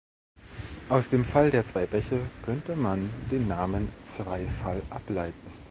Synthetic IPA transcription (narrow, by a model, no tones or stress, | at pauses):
ʔaʊsd̥eːmfaldeːɐt͡sv̥aɪbɛçəkʰœntəmandeːnːaːmənt͡sv̥aɪfalʔaplaɪtn̩